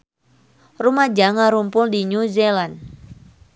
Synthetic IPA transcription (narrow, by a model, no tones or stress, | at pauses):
rumad͡ʒaŋaɾumpʊldiɲuzelan